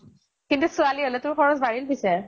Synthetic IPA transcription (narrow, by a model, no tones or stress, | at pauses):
kintusualiɦolɛtʊɹxɔɹɔzbaɹilbisɛɹ